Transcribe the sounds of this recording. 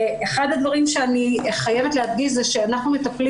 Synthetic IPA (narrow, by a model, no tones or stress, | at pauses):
eχad̪ad̪vaʁimʃeaniχaje̞vet̪leɦad̪ɡiʃzɛʃeanaχnumet̪ɐpli